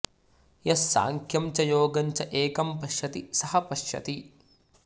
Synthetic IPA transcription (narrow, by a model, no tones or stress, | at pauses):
jɐsːa̰ːŋkʰjɐmt͡ʃɐjoːɡɐɲt͡ʃɐʔeːkɐmpɐʃjɐt̪isɐhɐpɐʃjɐ̰t̪i